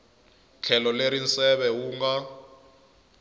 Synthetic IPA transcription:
t͡ɬʰɛlɔleɾinsɛɓɛwuːŋɡa

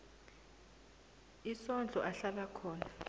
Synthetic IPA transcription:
isɔnd͡ɮʱɔʔaɬalakʰɔːna

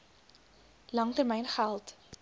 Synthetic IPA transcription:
lɐŋtərmɛjnχælˠt

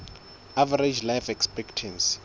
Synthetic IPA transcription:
avaɾed͡ʒlajfɛkspɛktʰãns

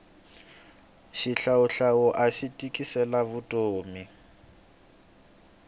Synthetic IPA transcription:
ʃiɬaʊɬaʊʔaʃitʼikʼisɛlaβʊtʼoːmi

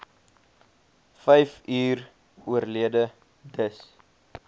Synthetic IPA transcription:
fɛjfyːr | uərliədə | dəs

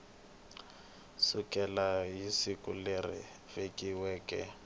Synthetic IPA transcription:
sʊkʼɛlajisikʼʊlerɪ̰ | vekʼiwɛːkʼɛ̰

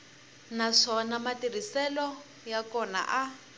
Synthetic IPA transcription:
naʂɔnamatir̤isɛlɔ | jakɔna̰ʔa

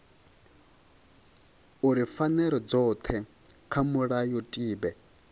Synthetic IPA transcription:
uɾifanɛɾɔd͡zɔt̪ʰɛ | kʰamuɺajɔtʼiːbɛ

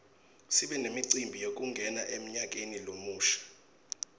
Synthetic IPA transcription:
siɓɛnemiǀimbʱijok̬ʼuŋɡʱɛnaʔem̩ɲak̬enilomuːʃḁ

